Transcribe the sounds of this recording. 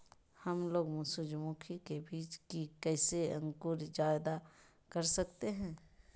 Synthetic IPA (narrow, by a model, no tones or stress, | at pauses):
hɐmloːɡmʊsud͡ʒmuːkʰikebiːt͡ʃkikɛːseɐ̰̃ŋkʊɾd͡ʒaːɪd̪a | kɐɾsɐkt̪eɦɛ̃ː